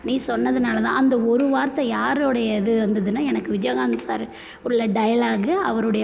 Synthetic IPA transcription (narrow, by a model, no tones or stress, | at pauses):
nĩːsɔnːɐðɯnaːlɐt̪ã̰ːɐnd̪ɐɔɾɯʋaːɾt̪ɐ̃jaːɾoːɽɐjɐɪðɯʋɐnd̪ɐðɯnːaɛnɐkːɯʋɪd͡ʒjoːɣaːnsa̰ːɾ | ɔɾɯlːɐɖɐjɐlaːɡɯɐʋɐɾɯɽɐj